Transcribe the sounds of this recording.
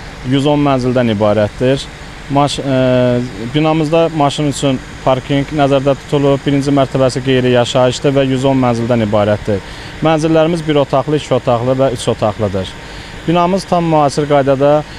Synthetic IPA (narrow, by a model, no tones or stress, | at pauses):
jyzo̞nmænzild̪ænibɑːɾæt̪d̪iɾ | mɑ | binɑmɯzd̪ɑmɑʃinyt͡ʃʰyn | pʰɑɾkʰiŋknæzæɾd̪æt̪ʰu̥t̪ʰulˠup̚biɾind͡ʒimæɾt̪ʰæbæsiɡe̞jɾijɑʃɑjɯʃd̪ɯvæjyzo̞nmænzild̪ænibɑːɾæt̪̚d̪iɾ | mænzilːæɾimizbiɾo̞t̪ʰɑχlˠɯit͡ʃʰo̞t̪ʰɑχlˠɯvæyt͡ʃʰo̞t̪ʰɑχlˠɯd̪ɯɾ | b̥inɑmɯz̥t̪ʰɑmːyhɑːsiɾɡɑjd̪ɑd̪ɑ